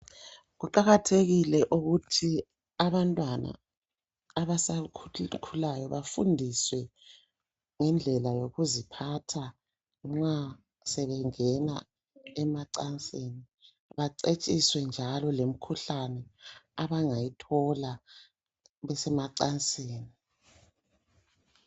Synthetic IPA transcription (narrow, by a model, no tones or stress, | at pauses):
ɣuǃaɣatʰeɣilɛʔuɣutʰi | aβantʼwana̰ː | βasakʰulajɔβafṵndʱiswɛ | ŋɛnd͡ɮʱɛlajoɣuzipʰatʰa | ŋ͡ǁa | sɛβɛŋɛna | ɛmaǀant͡sʼeːni | βaǀet͡ʃʼiswɛnd͡ʒʱalɔlem̩kʰuɬanɛaβaŋajitʰɔla | βɛsɛmaǀant͡sʼeːni